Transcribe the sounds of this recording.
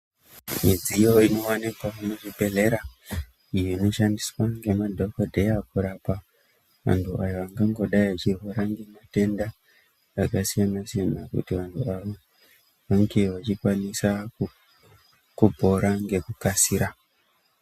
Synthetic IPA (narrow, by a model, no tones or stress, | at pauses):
mid͡zijo̞ino̞anikwanoʐibʱe̞le̞ɾa | ijoino̞ʃandiswaŋɡe̞madʱokodʱejakuɾapa | ʋa̰ntuʔajo̞ʋaŋɡaŋɡo̞ɗaiʋat͡ʃirɦoɾaŋɡe̞mate̞nda | akasijanasijanakṵtiʋantuaʋo | ʋaŋɡe̞ʋat͡ʃikwanisaku | kubʱo̞ɾaŋɡe̞kukasiɾa